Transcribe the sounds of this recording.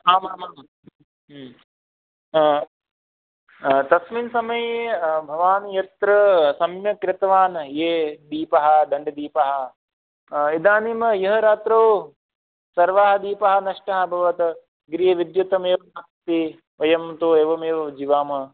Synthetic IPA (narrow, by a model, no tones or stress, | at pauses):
aːmaːma | t̪ɐsminsɐmɐjbʱɐʋaːnjɐt̪ɾɐsɐmjɐkɾɪt̪ɐʋaːnjeːd̪iːpɐɦɐ̆d̪ɐɳɖɐd̪iːpɐɦɐ̆ | id̪aːnimɐjɐɦɐɾaːt̪ɾoː | sɐɾʋaːɦɐd̪iːpɐɦɐ̆nɐʂʈɐɦɐ̆bʱɐʋɐt̪ɐ | ɡɾijɐʋid̪jut̪ɐmeːʋɐsɐkt̪i | ʋɐjɐmt̪oːeːʋɐmeːʋɐʋd͡ʒiːʋaːmɐ